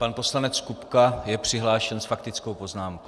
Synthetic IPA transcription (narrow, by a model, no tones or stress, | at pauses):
panpo̞slanɛt͡skupkajɛpr̝̥ɪɦlaːʃɛnsfakt̪ɪt͡skowpo̞znaːmko